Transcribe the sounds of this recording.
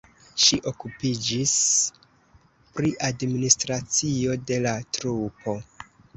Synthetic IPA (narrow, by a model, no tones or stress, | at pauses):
ʃiʔo̞kupid͡ʒis | pɾiʔadministɾat͡sio̞de̞latɾupʰo̞